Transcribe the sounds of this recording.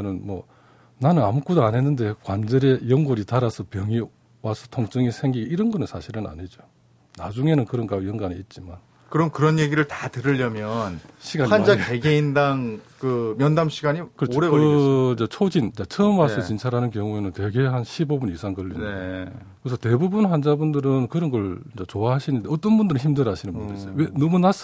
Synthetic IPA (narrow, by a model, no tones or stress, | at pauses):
nɯnmwʌ̰ | nanɯnamuk͈udoanɦe̞nːɯnde̞kwand͡ʑeɾe̞jʌŋɡoɾitaɾasʰʌpjʌŋi | wasʰʌtʰoŋt͡ɕ͈ɯŋisʰe̞ŋɡiɡeiɾɯnɡʌnɯnsʰaɕʰiɾɯna̰ɲid͡ʑo | nad͡ʑuŋe̞nɯnkɯɾʌnkajʌŋɡaniit̚t͡ɕ͈iman | kɯɾʌmkɯɾʌnje̞ɡiɾɯɭtatɯɾɯʎːʌmjʌnɕʰiɡaiand͡ʑaeɡeindaŋkɯmjʌndamɕʰiɡaɲikɯɾʌot͡ɕʰoɾeɯd͡ʑet͡ɕʰod͡ʑint͡ɕat͡ɕʰʌɯmasʰʌt͡ɕint͡ɕʰaɾanɯnkjʌŋue̞nɯntwe̞ɡe̞hanɕʰibobunisʰaŋkʌʎːḭn | kɯes̬ʰʌte̞bubunɦand͡ʑabundɯɾɯnkɯɾʌnɡʌɭd͡ʑet͡ɕoaɦaɕʰinɯndeʌt͈ʌnbundɯɾɯçimdɯɾɦaɕʰinɯnbundɾisejowenʌmunas͈